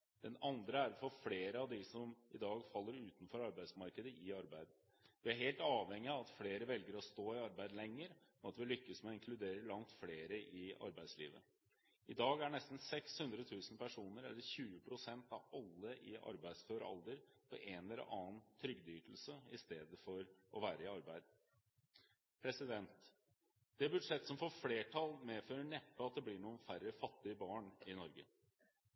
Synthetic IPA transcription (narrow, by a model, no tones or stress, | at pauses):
d̪̥ɛnɑnd̪ɾəæɾfɔɾfleːɾəɑʋd̪ɪsɔmɪd̪ɑːɡfɑlːəɾʉːt̪nfɔɾɑɾbæɪsmɑɾkəd̪əʔɪɑɾbæɪd̪ | ʋɪæɾɦeːlt̪ɑːʋɛŋːɪɑʋɑt̪fleːɾəʋɛlɡəɾɔst̪oːɪɑɾbæɪd̪lɛŋːəɾɔɑt̪ʋɪlʏkːəsmɛɔɪŋkʰlʉd̪eːɾəlɑŋt̪fleːɾəʔɪɑ̰ɾbæɪd̪slḭːʋə̰ | ɪd̪ɑːɡæɳnɛst̪n̩sɛkshʉnd̪ɾət̪ʰʉːsn̩pʰæʂuːnəɾɛ̰lːəɾçʉːəpʰɾʊsɛnt̪ɑʋɑlːəʔɪʔɑ̰ɾbæɪsføːɾɑ̰lˠd̪əɾpʰɔʔeːnɛlə̰ʔɑːnt̪ʰɾʏɡd̪yːʈ̪l̩səɪst̪eːd̪əfɔɾʔɔʋæːɾəɪɑɾbæɪd̪ | pʰɾɛsɪd̪ɛnt̪ | d̪̥ɛbʉʈʂɛt̪ːsɔmfɔfleːʈʰɑlˠmeːføːɾəɳɛpːəɑt̪̚d̪ɛblɪɳuːənfæɾəfɑt̪ːɪəbɑːɳɪnɔɾɡə̰